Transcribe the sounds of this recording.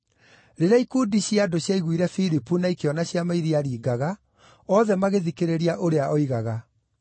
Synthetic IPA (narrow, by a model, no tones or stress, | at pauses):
ɾeɾaikuːdiɕjadoɕjaiɣwiɾɛfiɾipunaikeɔnaɕjamaiɾiaɾiːɡaɣa | ɔðɛmaɣeðikeɾeɾiaʔoɾeaʔɔiɣaɣa